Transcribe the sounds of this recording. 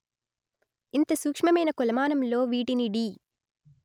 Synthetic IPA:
int̪ɐsuːkʂmɐmɐjnɐkulɐmaːnɐmloːʋiːʈiniɽi

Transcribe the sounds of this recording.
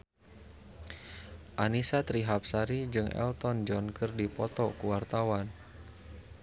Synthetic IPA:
ʔanisat̪ɾiɦap̚saɾid͡ʒɨŋɛ̰lt̪ɔnd͡ʒɔnkɨrdipɔt̪ɔkuwart̪awan

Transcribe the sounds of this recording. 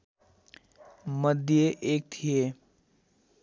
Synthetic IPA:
məd̪ʱjeʔeːk̚t̪ʰije

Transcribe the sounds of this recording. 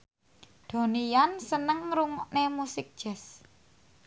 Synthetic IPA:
d̪̥o̤nijansənəŋɾuŋɔʔnemusɪk̚d̥ʒ̥ɛ̤s

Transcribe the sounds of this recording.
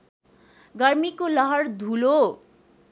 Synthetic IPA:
ɡʌrmikolʌɦʌrd̪ʱulo

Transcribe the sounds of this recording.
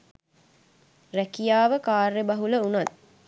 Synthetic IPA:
rækijaːʋəkaːrːebɐɦuləunat̪̚

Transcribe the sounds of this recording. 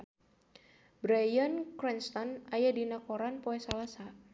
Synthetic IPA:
bɾajɔnkɾɛnst̪ɔnajadinakɔɾanpɔɛsalasa

